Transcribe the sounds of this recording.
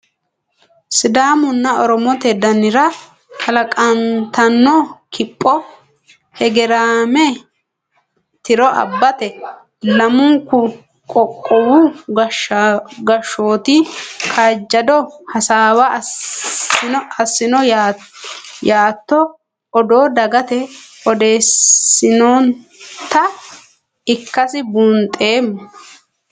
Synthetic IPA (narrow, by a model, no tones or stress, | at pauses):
sɪd̪aːmʊnːɐɔɾɔmɔt̪ɛd̪ɐnɪɾɐ | kɐlɐkʼɐnt̪ʰɐnːɔkʰɪpʼːɔ | hɛɡɛɾaːmɛ | t̪ɪɾɔʔɐ̰bːɐt̪ɛ | lɐmʊŋkʊ | kʼɔkʼːɔwuɡ | ɡɐʃːoːt̪ɪkʰaːd͡ʒːɐd̪ɔhɐsaːwɐ | ɐsːɪnɔj | jaːt̪ːɔ | ɔd̪o̞ːd̪ɐɡɐt̪ɛɔd̪e̞ːsːɪnoːnt̪ɐ | ɪkːɐsɪbʊnt̪ʼːe̞ːmːɔ